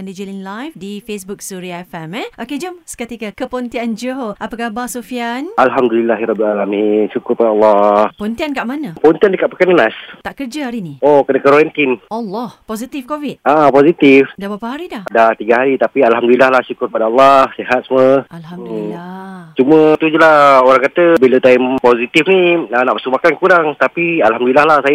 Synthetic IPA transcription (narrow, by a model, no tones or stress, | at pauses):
andid͡ʒilinlajfdifesbuk̚suɾiaɛfɛmɛʔoked͡ʒəmskət̪ikakəpont̪iand͡ʒooʔapakahbasofianalɦamdulilaɦiɾɔbilalaminʃukʊrpadaalːɑhpont̪iankaʔmanãpont̪iandəkaʔpəkanənast̪aʔkərd͡ʒaɦaɾiniokənakəɾoɾɛnt̪inʔalːɔhposit̪ifkovit̪apozit̪ifdabapaɦaɾidahdaht̪iɡaɦaɾit̪apialɦamd̪ulilahlahʃukʊrpadaɑlːɑhseɦat̪̚səməal | t͡ʃumə̃t̪ud͡ʒulahoɾaŋkat̪əbilat̪aimpozit̪ifniənaʔpəsumakankuɾaŋt̪apialhamdulilahlahsaj